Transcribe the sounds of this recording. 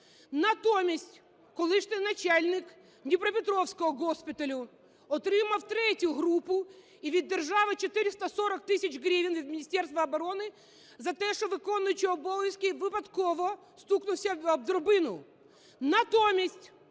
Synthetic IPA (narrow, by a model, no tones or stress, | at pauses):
nɐt̪omʲɪsʲtʲ | kʊlˠɪʂnɪjnɐt͡ɕalʲnʲɪk | nʲɪpɾɐpʲɪt̪ɾofskɔɔɡospʲɪt̪ɐlʲʊ | ɔt̪ɾɪmɐwt̪ɾɛtʲjʊɦɾupːʊ | iʋʲid̪ʲːɪrʐaʋɨt͡ɕɪt̪ɪɾʲɪst̪ɐsoɾɐk̚t̪ɪsʲɪt͡ɕʲɡɾʲivʲɪnvʲid̪mʲɪnʲisʲtʲɛrst̪vʋɐɐbɐɾonɪ | zɐt̪ɛʂɪʋɨkonːʊjt͡ɕɪɔboɪskʲiʋɨpɐt̪koʋɔ | st̪uknʊsʲɐɐb̚d̪ʊɾbɪnʊ | nɐt̪omʲɪsʲtʲ